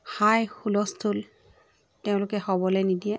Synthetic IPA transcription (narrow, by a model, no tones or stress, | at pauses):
xajxulɔstʰul | teʊ̃lʊkɛhɔbɔlɛnidiɛ